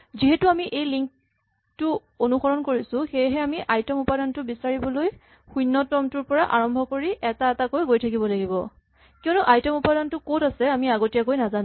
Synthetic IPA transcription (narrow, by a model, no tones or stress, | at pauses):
ziɦɛtʊamiʔejliŋk̚ | tʊ | onuxɔɹɔnkoɹisʊ̃xejɦɛamiʔajtɔmupadantʊbisaɹibɔloj | xujnːɔtɔmtʊɹpɔɹaʔaɹɔmbʱɔkoɹiʔɛtaɛtakojɡojtʰak̬ibɔlaɡibɔ | kiɔnʊʔajtɔmupadantʊkotasɛamiaɡotijakojnazanʊ̃